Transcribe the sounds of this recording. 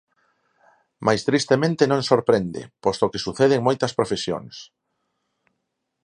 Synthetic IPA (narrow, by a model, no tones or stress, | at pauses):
majst̪ɾist̪emẽnt̪enõŋsoɾpɾend̪ḛpɔst̪okesuθeðeŋmojt̪ɐspɾofesjo̰ŋs